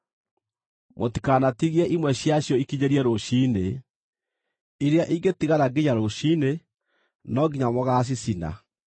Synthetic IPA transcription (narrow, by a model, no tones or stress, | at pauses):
motikanatiɣiɛʔimwɛɕjaɕjɔikiɲeɾiɛɾoʃiːne | iɾeaʔiŋɡetiɣaɾaɡiɲaɾoʃine | nɔɡiɲamɔɣas̬isina̰